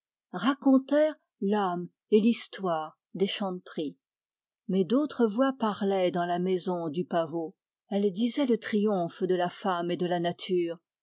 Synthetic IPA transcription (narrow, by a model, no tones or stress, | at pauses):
ʁakɔ̃t̪ɛːʁ | lam | elist̪waːʁ | d̪eʃɑ̃d̪pχi | mɛd̪ot̪χəvwapaʁlɛd̪ɑ̃lamɛzɔ̃d̪ypavo | ɛld̪izɛlət̪χijɔ̃fd̪əlafamed̪əlanat̪ʰyːʁ